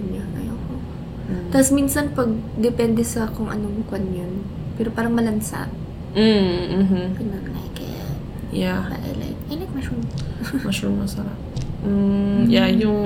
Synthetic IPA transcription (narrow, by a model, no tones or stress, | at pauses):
naɐ̰joko | t̪asminsɐnpɐɡ̚d̪ɛpɛnd̪ɛsɐkʊŋʔɐ̰nomukwɐnjon | pɛːɾo̞paːɾɐŋmɐlɐnsa̰ʔ̩ | ɦ̩pɪnɐkna̰jkɛ̰ | jaba̰ɐ̰jla̰jk̚ʔɐjnɐk̚mɐʃʊmɐʃʊnmɐsɐɾa̰p̩ | jajʊŋ